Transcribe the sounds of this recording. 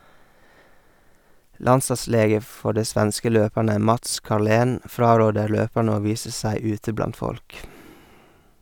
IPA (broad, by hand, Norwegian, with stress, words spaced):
ˈlɑnsɑˌsleːɡə ˈfɔ ˈɖiː ˈsʋænskə ˈløːpæɳə ˈmɑts kɑɾˈleːn ˈfɾɑːˌɾoːdəɾ ˈløːpæɳ ˈoː ˈʋiːsə ˈsæɪ ˈʉːtə ˈblɑnt ˈfɔlk